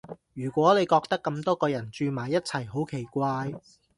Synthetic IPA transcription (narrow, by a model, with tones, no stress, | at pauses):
jyː˨˩kʷɔː˨˥ne˨˧jkɔː˧k̚t̪ɐ˥kːɐ˧mt̪ɔː˥kɔː˧jɐ˨˩nt͡ʃyː˧maː˨˩jːɐ˥t̚t͡sʰɐ˨˩jɦo˨˥wkʰe˨˩jkʷaː˧j